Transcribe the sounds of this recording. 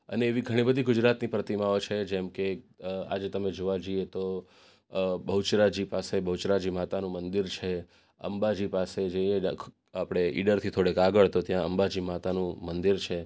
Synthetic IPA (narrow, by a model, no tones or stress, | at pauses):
ə̰neːʋiɡʱəɽ̃ibəd̪ʱiɡʊd͡ʒɾat̪nipɾət̪imaot͡ʃʰed͡ʒɛmkea̰d͡ʒet̪əmed͡ʒoʋad͡ʒiet̪o | bəɦut͡ʃɾad͡ʒipasebəɦut͡ʃɾad͡ʒimat̪anũmənd̪iɾt͡ʃʰe | ə̰mbad͡ʒipased͡ʒə̃e | apɽ̃eʔḭɖəɾt̪ʰit̪ʰoɽekaɡəɭt̪ot̪jãəmbad͡ʒimat̪anũmənd̪iɾt͡ʃʰe